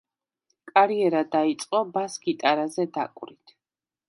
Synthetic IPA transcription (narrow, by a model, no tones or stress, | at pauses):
kʼaɾiɛɾad̪ait̪sʼqʼɔbasɡit̪ʼaɾazɛd̪a̰kʼwɾit̪ʰ